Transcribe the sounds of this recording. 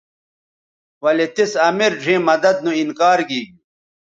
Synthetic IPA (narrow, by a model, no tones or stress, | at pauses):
wɐlet̪isɐmiɾʐʱẽːmɐd̪ɐd̪̚nũinkaːɾɡiːɡ̚i